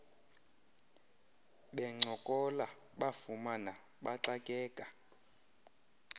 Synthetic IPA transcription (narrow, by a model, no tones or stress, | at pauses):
ɓɛŋ͡ǀʱɔkʼɔla | ɓafumana | ɓaǀakʼɛːkʼa